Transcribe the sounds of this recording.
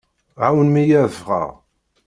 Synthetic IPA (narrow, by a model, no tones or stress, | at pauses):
ʕawənmijæðəfʁə̰ʁ